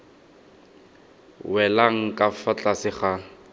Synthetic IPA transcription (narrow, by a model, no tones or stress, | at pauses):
wɛlaŋ̩kʼafat͡ɬʼasɪχa